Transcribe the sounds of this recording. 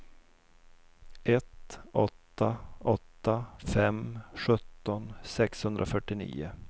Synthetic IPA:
ʔɛt̪ɔt̪ːaɔt̪ːafɛmɧɵt̪ːɔnsɛkshɵnd̪ɾʔafœʈːɪnḭːʊ

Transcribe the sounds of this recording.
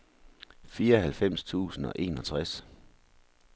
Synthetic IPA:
fiːɐɒɦælfem̰st͡sʰṵːsn̩ɒ̽ʔe̝̰ːnɒ̽t͡sʰʁas

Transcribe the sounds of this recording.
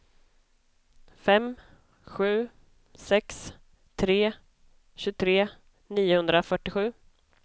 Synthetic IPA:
fɛm | ɧʉ̟ː | sɛks | t̪ʰɾeː | ɕʉt̪ʰɾeː | niːʊhɵnd̪ɾafœʈːɪɧʉ̟ː

